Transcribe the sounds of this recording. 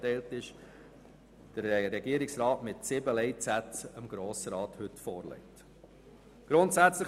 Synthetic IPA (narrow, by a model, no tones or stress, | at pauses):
tɛɪltɪʃ | d̥əɾɾɛɡiəɾɪksɾɑːtmɪtsɪbəlɛɪt͡sætəmɡ̥ɾoːsəɾɑːthɵtfɔːɾlɛ̰ɪt | ɡ̥ɾʊntsæt͡slə